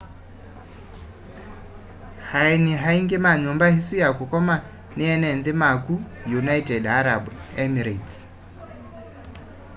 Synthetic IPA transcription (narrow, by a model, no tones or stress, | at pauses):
hainiɦaiŋkʼɛmaɲɔmbahisijakukʼɔma | nɪɛnɛnd̪ɪmakʼujunajtʼɛdaɾabɛmiɾat